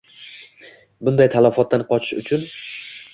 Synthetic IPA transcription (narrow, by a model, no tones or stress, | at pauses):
bʊnd̪ajt̪ʰalafɒt̪ːanqɒt͡ʃʰɪ̥ʃʊt͡ʃʰʊn